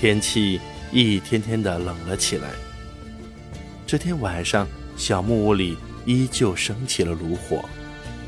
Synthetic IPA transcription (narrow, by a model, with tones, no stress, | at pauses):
t̪ʰjɛ˥nt͡ɕʰi˥˩i˥˩t̪ʰjɛ˥nt̪ʰjɛ˥nd̪ə˨lɤ˨˩ŋlə˦t͡ɕʰi˨˩la̰˧˥ɪ | ʈ͡ʂɤ˥˩t̪ʰjɛ˥nwa˨˩nʂɑ˥˩ŋ | ɕjɑ˨˩ʊmu˥˩u˥˩li˨˩ | i˥t͡ɕjo˥˩ʊʂɤ˥ŋt͡ɕʰi˨˩lə˦lu˧˥xwɔ̰˨˩˦